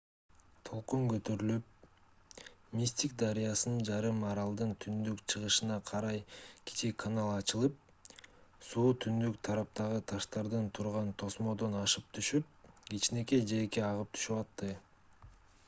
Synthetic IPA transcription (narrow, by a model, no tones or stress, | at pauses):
t̪ʰo̞lˠqumkø̞t̪øɾylyp̚ | mʲisʲt̪ʲik̚d̪ɑɾijɑsɯnnd͡ʒɑɾɯmːɑɾɑlˠd̪ɯnt̪ʰynd̪ykt͡ʃʰɯʁɯʃɯnɑqʰɑɾɑjki̥t͡ʃikʰːanalˠɑt͡ʃɯlˠɯp̚ | suːt̪ʰynd̪ykt̪ʰɑɾɑp̚t̪ɑʁɯt̪ʰɑʃt̪ɑɾd̪ɯnt̪ʰuɾʁɑnt̪ʰo̞smo̞d̪o̞nɑʃɯp̚t̪ʰyʃyp̚ɡit͡ʃne̞ke̞d͡ʒe̞keɑʁɯp̚t̪ʰy̥ʃypɑt̪ːɯ